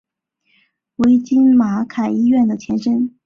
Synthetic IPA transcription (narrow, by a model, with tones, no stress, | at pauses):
we˧˥ɪt͡ɕi˥nma˧˥kʰa˨˩ɪi˥ɥɛ˥˩nd̪ə˩t͡ɕʰjɛ˧˥nʂə˥n